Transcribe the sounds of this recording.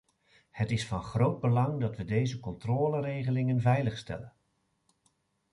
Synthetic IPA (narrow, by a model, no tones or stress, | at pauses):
hətɪsfɑnχrowd̚bəlɑŋdɑtʋədejzəkɔntroːlərejχəlɪŋənvɛjləχstɛ̰lən